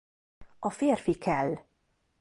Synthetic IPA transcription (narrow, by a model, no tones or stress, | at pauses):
ɒfeːrfikʰɛlː